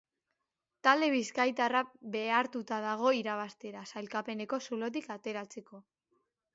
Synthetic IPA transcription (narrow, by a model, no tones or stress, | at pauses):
t̪ald̪e̞β̞iskajt̪arabe̞aɾt̪ut̪aðaɣ̞o̞iɾaβ̞ast̪e̞ɾasajlkape̞ne̞ko̞sulo̞t̪̬ikat̪e̞ɾat͡se̞ko̞